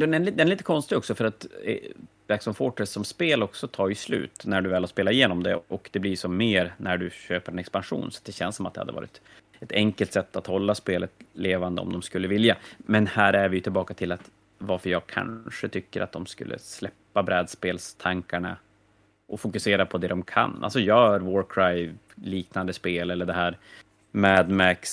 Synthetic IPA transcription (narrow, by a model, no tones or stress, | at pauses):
d̪ɛnɛd̪ɛnɛliːt̪əkʰɔnst̪ɪɡɔksɔfœɾat̪ɛ̰væɾksɔmfoːʈɛsɔmspeːlɔksɔt̪ʰɑːjɵslʉ̟̰ːt̪næɖɵvɛːlaspeːlaɪjeːnɔmd̪ɛ̰ʔɔkd̪ɛblɪʂɔmːeːɾnæɖɵɕøːpəɾɛnɛkspanɧṵːnsḁt̪̚d̪ɛɕɛ̰nsːɔmat̪d̪ɛha̰d̪əvɑ̰ːɾɪ̰t̪ | ɛt̪ʰɛŋkəlt̪sɛt̪ːat̪hɔlːaspeːlət̪leːvand̪ə̰ɔ̰md̪ɔmskɵlːəvɪljamɛnhæːɾæɾvɪjɵt̪ʰɪlbɑːkat̪ʰɪlːat̪ | vaɾfəɾjɑːɡ̚kʰa̰nʂət̪ʰʏkːəɾat̪̚d̪ɔmskɵ̰lːʔə̰slɛpːabɾɛːd̪speːlst̪ʰaŋkaɳa̰ | ʔɔfʊkɵseːɾapʰɔd̪ɛd̪ɔmkʰa̰na̰lsɔjœːɾvɔɾkʰɾajv | liːknand̪əspeːlɛlːəɖɛɦæːɾ | mæd̪mæks